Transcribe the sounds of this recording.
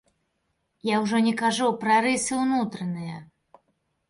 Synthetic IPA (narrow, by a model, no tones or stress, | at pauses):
jawʐɔnʲɛkaʐupɾɐɾɨsɨwnut̪ɾɐnɨjɐ